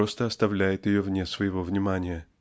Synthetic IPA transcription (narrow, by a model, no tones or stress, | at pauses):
o̞st̪əɐst̪ɐvlʲæjɪt̪jɪjovnʲesvəjɪvo̞vnʲɪmanʲɪjə